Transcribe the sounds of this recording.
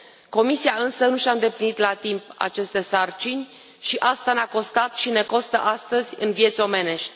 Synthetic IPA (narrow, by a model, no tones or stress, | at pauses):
ko̞misiaɨnsənuʃaɨnd̪e̞plinit̪lat̪impa̰t͡ʃe̞st̪e̞sart͡ʃinʲ | ʃiʔast̪aneako̞st̪at̪ʃine̞ko̞st̪ə̰ʔast̪əzʲɨ̰nvje̞t̪sʲo̞me̞ne̞ʃt̪ʲ